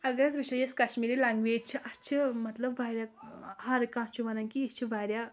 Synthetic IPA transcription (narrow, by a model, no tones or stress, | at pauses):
ɐɡɐɾɐzʋiʃɐjeskɐʃmiːɾilaːŋɡʋeːd͡ʒt͡ʃʰiʔɐt͡ʃʰimɐt̪lɐbʋaːɾʲjahaɾikãːt͡ʃʰuʋɐnɐnkiit͡ʃʰiʋaːɾja